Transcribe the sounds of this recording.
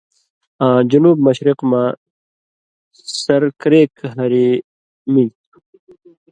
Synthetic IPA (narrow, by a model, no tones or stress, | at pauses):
ãːd͡ʑunuːb̚mɐɕɾiqma | sɐɾkɾeːkɦɐɾi | mi